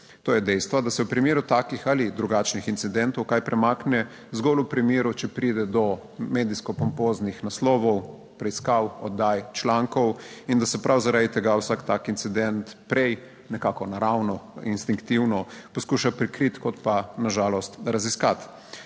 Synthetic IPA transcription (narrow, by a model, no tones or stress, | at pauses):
t̪oːjɛd̪ɛjst̪ʋad̪asɛwpɾimiːɾut̪aːkixalid̪ɾuɡat͡ʃnixint̪sid̪ɛnt̪ɔwkajpɾɛmaːknɛ | zɡɔlupɾimiːɾut͡ʃɛpɾid̪ɛd̪ɔ | med̪iskɔpɔmpoːznixnaslɔːʋɔw | pɾɛiskawɔd̪ːajt͡ʃlaŋkɔwind̪asɛpɾʔawzaɾad̪it̪ɛɡawsakt̪akint̪sid̪ɛnt̪pɾɛj | nɛkaːkɔnaɾawnɔinst̪iŋkt̪iwnɔpɔskuʃapɾikɾit̪kɔt̪panaʒaːlɔst̪ɾaziskat̪